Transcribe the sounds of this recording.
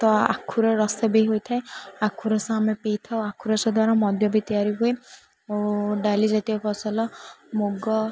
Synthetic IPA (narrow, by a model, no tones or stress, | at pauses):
t̪ɔa̰kʰuɾɔɾɔsebeiɦojt̪ʰaeakʰuɾɔsaamepejt̪ʰawakʰuɾɔsɔd̪waɾamɔd̪ʱjɔbit̪iaɾiɦue | ɖalid͡ʒat̪iɔpʰɔsɔlɔmoɡɔ